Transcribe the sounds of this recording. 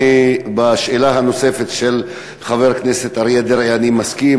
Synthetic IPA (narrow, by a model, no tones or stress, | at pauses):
baʃelaɦano̞se̞fet̪ʃel | χave̞ʁkneset̪aʁied̪eʁeanimaski